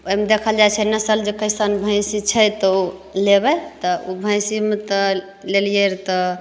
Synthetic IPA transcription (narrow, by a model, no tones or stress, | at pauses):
ojmed̪ekʰəld͡ʒajt͡ʃʰɛnəsəld͡ʒekəɪsanbʱə̃ɪ̃sit͡ʃʰəjt̪ɔulebɛt̪ɔubʱə̃j̃simet̪ɔ | lelijeɾt̪ɔ